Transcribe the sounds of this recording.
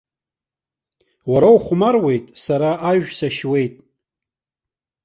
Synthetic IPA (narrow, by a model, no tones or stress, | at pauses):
waɾawχʷmarwe̞jtʼsaɾaʔaɥᶣsaʃwe̞jtʼ